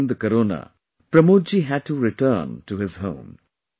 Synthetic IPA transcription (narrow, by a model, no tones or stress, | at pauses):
nd̪əkəɾoːna̰ | pɾəmoːd͡ʒiɦæd̚tuɾɪtəːntuɦɪzɦõ̰ʊ̃m